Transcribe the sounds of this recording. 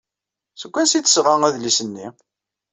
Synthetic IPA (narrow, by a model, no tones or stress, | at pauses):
səkʷːænsiθə̥sʁaŋæðlisənːi